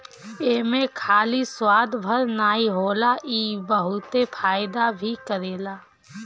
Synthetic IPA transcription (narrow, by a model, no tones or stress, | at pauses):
eːmẽkʰaːliswaːd̪bʱəɾnaːiɦoːlaʔiːbəɦʊt̪epʰaːjd̪abʱikəɾeːla